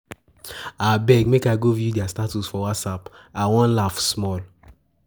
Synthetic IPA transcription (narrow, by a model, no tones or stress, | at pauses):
abɛɡmekaɪɡovjudiastatusfɔwatsap | awɔ̃nlafsmɔl